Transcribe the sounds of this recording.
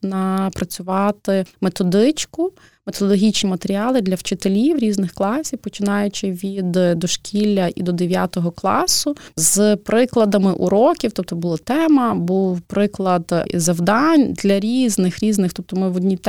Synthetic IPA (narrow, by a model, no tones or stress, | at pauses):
nɐpɾɐt͡sʲʊʋɑt̪ɪmet̪ɔd̪ɪt͡ʃkʊ | met̪ɔd̪ɔlˠɔɦʲit͡ʃnʲimɐt̪eɾʲiɑlˠɪd̪lʲɐwt͡ʃɪt̪elʲiwɾʲiznɪxklˠɑsʲiwpɔt͡ʃɪnɑjʊt͡ʃɪʋʲid̪d̪ɔʃkʲilʲːɐʔḭd̪ɔd̪eʋʲjat̪ɔɦɔklˠɑ̰sʊzpɾɪklˠɐd̪ɐmɪʔṵɾɔkʲiwt̪ɔp̚t̪ɔbʊlˠat̪ɛmɐbuwpɾɪklˠɐd̪zɐwd̪ɑnʲd̪lʲɐɾʲiznɪxɾʲiznɪxt̪ɔp̚t̪ɔmɪwɔd̪ʲnʲit̪